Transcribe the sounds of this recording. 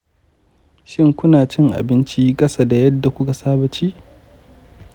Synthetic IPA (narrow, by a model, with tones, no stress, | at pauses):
ʃɪ˦ŋkʷʊ˦naː˨t͡ʃɪ˦ŋʔa̰˨bɪ˦nt͡ʃi˦kʼɐ˦sa˦da˨jɐ˦dːa˨kʷʊ˦ka˨saː˦bɐ˦t͡ʃiː˦ʔ